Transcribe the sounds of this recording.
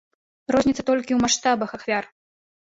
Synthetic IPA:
rɔzʲnʲit̪sɐ̥t̪ɔlʲkʲiwmaʂt̪abɐxaxvʲar

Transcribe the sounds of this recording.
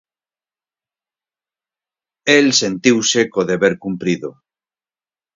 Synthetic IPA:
elsẽnt̪iwsekoðeβeɾkumpɾiðo

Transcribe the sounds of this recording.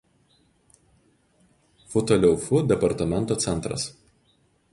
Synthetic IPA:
fʊt̪ɔlʲɛʊfʊd̪ʲɛpɐɾt̪ɐmʲɛnt̪oːt̪sʲɛnˑt̪ɾɐ̰s

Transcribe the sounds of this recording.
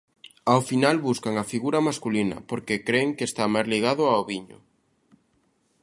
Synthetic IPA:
aofinalβuskaŋafiɣuɾamaskulinɐ̰poɾkekɾeŋkeːst̪amajzliɣ̞aðʊaoβiɲʊ̰

